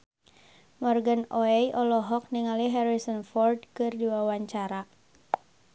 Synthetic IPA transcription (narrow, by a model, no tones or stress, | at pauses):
mɔrɡanɔɛjʔɔlɔɦɔk̚niŋaliɦɛɾisənfɔrd̚kɨrdiwawaɲt͡ʃaɾa